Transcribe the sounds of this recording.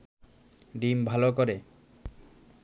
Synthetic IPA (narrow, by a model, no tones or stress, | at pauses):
ɖimbʱalokoɾe